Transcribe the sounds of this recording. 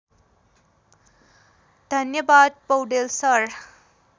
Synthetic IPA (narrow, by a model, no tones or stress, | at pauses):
d̪ʱʌnjəbad̪̚pʌwɖelsʌɾ